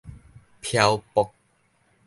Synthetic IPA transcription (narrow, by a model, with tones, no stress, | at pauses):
pʰja˧wpɔ˨˦k̚